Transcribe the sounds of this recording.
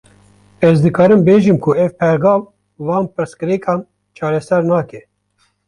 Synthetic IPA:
ɛzd̪ɨkɑːɾɨmbeːʒɨmkʰuɛvpʰɛɾɡɑːv | vɑːnpɨɾskɨɾikɑːm | t͡ʃʰɑːɾɛsɛɾnɑːkɛ

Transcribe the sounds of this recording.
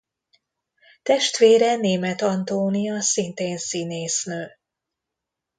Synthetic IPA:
t̪ɛʃt̪ʋeːɾɛneːmɛt̪ɒnt̪oːnijɒsint̪eːnsineːsnøː

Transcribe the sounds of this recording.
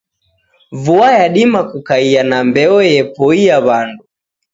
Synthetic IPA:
vuajaɗimakukaianambɛɔjɛpɔijaβandu

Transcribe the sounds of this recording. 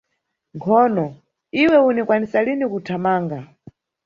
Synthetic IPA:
ŋkʰɔnɔ | iwɛunikwanisalinikutʰamaːŋɡa

